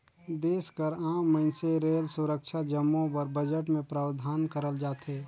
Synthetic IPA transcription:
d̪eːskəɾaːmːəɪnseɾeːlsʊɾəkʃʰad͡ʒəmːõpəɾbəd͡ʒəʈmẽpɾaːwd̪ʱaːnkəɾəld͡ʒaːt̪eː

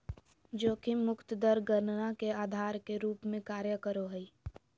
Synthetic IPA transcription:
d͡ʒoːkimʊkt̪d̪əɾɡəɾnnakeaːd̪ʱaːɾkeɾuːpmẽkaːɾjəkəɾoɦəi

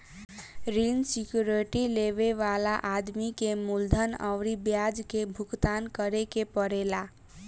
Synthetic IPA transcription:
ɾinsikjuɾiʈileβeʋalaʔad̪mikemuld̪ʱənə̰wɾibjad͡ʒkebʱuɡt̪ankəɾekepəɾela

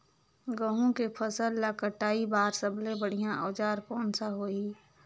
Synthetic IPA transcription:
ɡə̃ɦũkepʰəsəlːakəʈaːibaːɾsəblẽbəɽ̤ijãʔɔːd͡ʒaːɾpɔːnsaɦoiː

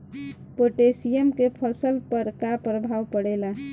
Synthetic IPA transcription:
poʈesiemkepʰəsəlpəɾkapɾəbʱawpəɽɛla

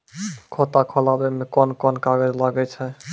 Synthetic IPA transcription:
kʰot̪akʰɔlabemekɔnkɔnkaɡəd͡ʒlaɡɛt͡ʃʰɛ

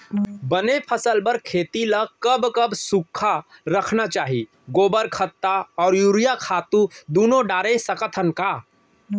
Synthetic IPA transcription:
bənepʰəsəlbəɾkʰeːt̪iləkəbkəbsukʰːaɾəkʰnat͡ʃaːɦi | ɡoːbəɾkʰət̪ːaɔːɾjuːɾijakʰaːt̪ũd̪uːnõɖaːɾesəkət̪ʰənka

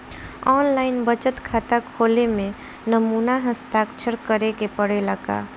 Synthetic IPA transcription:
ɔːnlaɪnbət͡ʃət̪kʰat̪akʰolemẽ | nəmunaɦəst̪akt͡ʃʰəɾkəɾekepəɽeləka̰

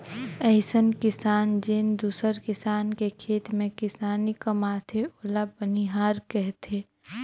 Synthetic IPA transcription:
ɛɪsənkɪsaːnd͡ʒend̪uːsəɾkɪsaːnkekʰeːt̪mẽkɪsaːnikɐmaːt̪ʰeoːlabəniɦaːɾkɛɦt̪ʰeː

